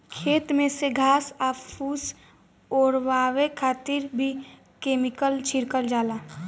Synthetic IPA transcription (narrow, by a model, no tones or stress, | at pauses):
kʰeːt̪mẽseɡʱaːsaːpuːs | ɔːɾwaːwekʰaːt̪ɪɾbʱi | keːmɪkəlt͡ʃʰɪɾkəld͡ʒaːlaː